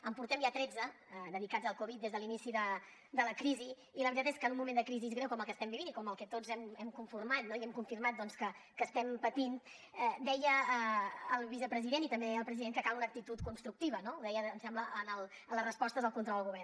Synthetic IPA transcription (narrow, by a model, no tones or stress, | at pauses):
əmpuɾt̪ɛmjat̪ɾɛd͡zə | d̪əðikad͡zzəlˠkuβit̪d̪ezðəlinisiðə | d̪ələkɾiziː | ləβɾit̪at̪eskənumumẽnəkɾizizɣɾɛwkɔməlˠkəst̪ɛmbiβinikɔməlˠkɛt̪od͡zɛmɛmkuɱfurmat̪̚noiɛmkuɱfirmat̪̚d̪ɔnskə | kəst̪ɛmpət̪in | d̪ɛjəəːlˠβizəpɾəziðenit̪əmbeɛəlˠpɾəziðeŋkəkalunək̚t̪it̪ut̪̚kunst̪ɾuk̚t̪iβənouðɛjəːnsɛmbləʔənəlˠ | ələrəspɔst̪əzðəlˠkunt̪ɾɔlˠd̪əlˠɣuβɛrn